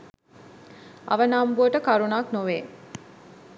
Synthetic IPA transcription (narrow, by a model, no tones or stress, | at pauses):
ɐ̰ʋənaːmbuəʈəkaɾunaːknoʋeː